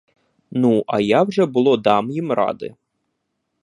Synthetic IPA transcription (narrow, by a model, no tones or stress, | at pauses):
nuʔɐjawʐɛbʊlˠɔd̪ɑmjimɾɑ̰d̪ɪ̰